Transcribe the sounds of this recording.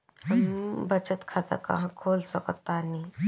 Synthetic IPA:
ɦəmbət͡ʃət̪kʰat̪a̰kɐ̰ɦãkʰoːlsəkət̪ːani

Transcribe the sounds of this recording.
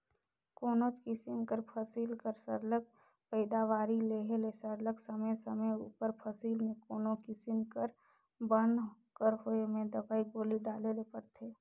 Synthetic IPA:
koːnot͡ʃkɪsɪmkəɾpʰəsiːlkəɾsəɾlək̚ | pəɪd̪aʋaːɾileɦelesəɾləksəməjsəməjṵːpəɾpʰəsiːlmẽkoːnokɪsɪnkəɾ | bənkəɾɦoemẽd̪əbaːiboːliɖaːlelepəɾt̪ʰeː

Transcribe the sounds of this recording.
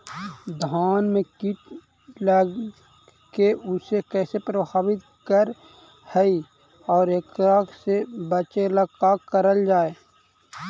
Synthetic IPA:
d̪ʱaːnmẽkɪʈ | lə | keʊsekɛːsepɾəbʱaːbɪt̪ | kəɾ | hɛi | ɔːɾeːkɾakʰsebət͡ʃeləkakəɾəld͡ʒaːeː

